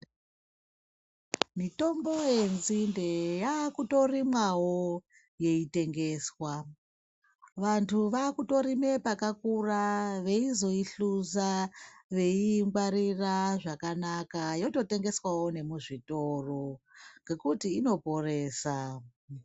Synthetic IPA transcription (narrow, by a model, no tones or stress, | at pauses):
mito̞mbojenzinde̞jakuto̞rimwawo | je̞ite̞ŋɡe̞ːswa | ʋantʰuʋakuto̞ɾime̞pakakuraʋe̞izo̞iɬuzaʋe̞iŋɡwaɾiraʐakanakajo̞to̞te̞ŋɡeswawo̞ne̞muʐito̞roŋɡe̞kutiːno̞po̞reːsa